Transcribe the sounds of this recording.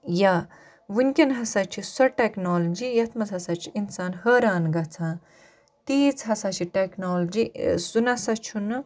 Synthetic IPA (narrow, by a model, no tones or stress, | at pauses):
ja | ʋunʲkʲɐnɦɐsɐt͡ʃʰisɐʈeknoːld͡ʒijɐt̪mɐt͡sɦɐsat͡ʃʰiinsaːnhɐːɾaːnɡɐt͡sʰãː | t̪iːt͡sʰɦɐsɐt͡ʃʰiʈeknoːld͡ʒisunɐsɐt͡ʃʰun